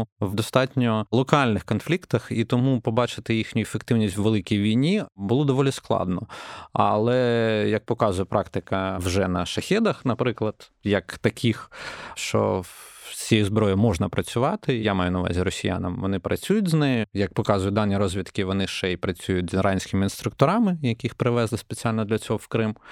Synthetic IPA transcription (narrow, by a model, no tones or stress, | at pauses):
ʋd̪ɔst̪ɑtʲnʲɔlˠɔkɑlʲnɪxkɔnflʲikt̪ɐxit̪ɔmupɔbɑt͡ʃɪt̪ɪjixnʲʊjʊefekt̪ɪwnʲisʲtʲwʋelˠɪkʲijʋʲijnʲibʊlˠɔd̪ɔʋɔlʲisklˠɑ̰d̪nɔɐ̰lˠɛjɐk̚pɔkɑzʊjɛpɾʔɑkt̪ɪkɐwʒɛnɐʃɐxʲɛd̪ɐxnɐpɾɪklˠɐd̪̥jɐkt̪ɐkʰʲixʃt͡ʃɔ̰sʲijʊzbɾɔjɛmɔʐnɐpɾɐt͡sʲʊʋɑt̪ɪjamɑjʊnɐʋɑ̰zʲiɾɔsʲija̰nɐmʋɔnɪpɾʔɐt͡sʲujʊtʲznɪjɪjɐk̚pɔkɑzʊjʊd̪ɑnʲːiɾɔzʲʋʲit̪kɪʋɔnɪʃt͡ʃɛipɾɐt͡sʲujʊt̚ʲzrʔɑnʲsʲkʲɪmɪinst̪ɾʊkt̪ɔɾɑmɪjɐkʲɪxpɾɪʋɛzlˠɪspet͡sʲialʲnɔd̪lʲɐt͡sʲɔɦɔwkɾɪm